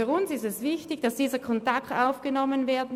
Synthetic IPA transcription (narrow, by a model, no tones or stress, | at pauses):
yɐʊnsɪstɛsv̥ɪçtɪçd̥asd̥iːzəkʰɔntaktaʊfɡ̥ənɔmənvɛːɐdn̩